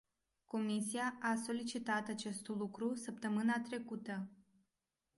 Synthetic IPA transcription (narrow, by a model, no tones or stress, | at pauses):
ko̞misiaʔaso̞lit͡ʃit̪at̪at͡ʃe̞st̪lukɾusəp̚t̪əmɨnat̪ɾe̞kut̪ə